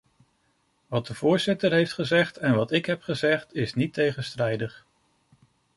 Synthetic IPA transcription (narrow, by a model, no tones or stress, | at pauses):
ʋɑt̚dəvʊːɹzɪtəɹɦejftχəzɛχtɛnʋɑtɪkɦɛpχəzɛχtɪsnitejχənstrɛjdəχ